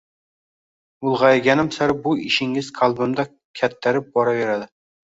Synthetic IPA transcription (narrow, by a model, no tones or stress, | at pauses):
ʊlˠʁɑjɡʲanɪmsaɾɪbʊɪʃɪŋɪz̥qʰɑlˠbɪmd̪a | kʲʰat̪ʰːaɾɪp̚bɒɾaveɾad̪ɪ